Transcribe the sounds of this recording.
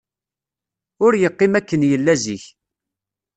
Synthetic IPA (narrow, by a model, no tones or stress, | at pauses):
ʊɾjəqːimækːənjəlːæziç